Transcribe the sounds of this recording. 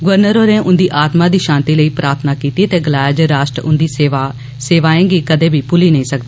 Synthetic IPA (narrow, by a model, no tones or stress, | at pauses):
ɡʊʋəɾnəɾoːɾẽːʔʊ̃nd̪iːʔaːt̪mãːd̪iːʃãːnt̪iːləiːpɾaːɾt̪ʰnaːkiːt̪iːt̪eːɡəlaːjəd͡ʒɾaːʃʈɾʊ̰nd̪iːseʋa | seːʋaːẽːɡiːkəd̪ẽːbʱiːpʊliːnəĩːsək̚d̪iiː